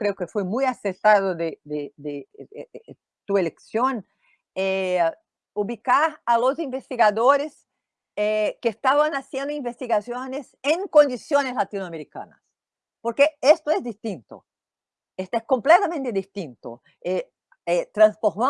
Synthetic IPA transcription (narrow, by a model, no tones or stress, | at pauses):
kɾeʊkefojmujaseɾt̪aðʊd̪ed̪ed̪e | t̪ueleksjõŋ | ɛ | uβikaɾalozĩɱvest̪iɣaðoɾes | ɛkeːst̪aβɐ̃ŋasjẽnd̪ʊĩɱvest̪iɣasjõnɪsẽŋkõnd̪isjõnɪzlat̪inoameɾikɐ̰̃nɐ̰s | poɾkeest̪oɛzd̪ist̪ĩnt̪ʊ̰ | est̪oɛskõmplɛt̪amẽnt̪ed̪ist̪ĩnt̪ʊ̰ | ɛ | ɛt̪ɾɐ̃sfoɾmɐ̃